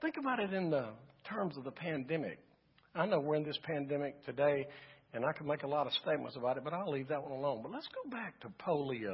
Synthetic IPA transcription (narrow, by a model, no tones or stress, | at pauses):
θɪ̃ŋkɨbaʊɾɨɾɨ̃nðətʰɜ̃˞mzʌvðəpʰæ̃ndɛmɪ̰k̚ | aɪnoʊwɪɹɨ̃nðɪspʰæ̃ndɛmɨk̚tʰɨdeɪɨ̃naɪkʰəd̚meɪkəlɔɾʌ̥steɪt̚mə̰̃nsəbaʊɾɨt̚b̥ʌɾaɪlivðət̚wʌ̃nəlõʊ̃nbʌt̚ˡlətsɡ̥oʊbæk̚tʰəpʰoʊlˠiɨ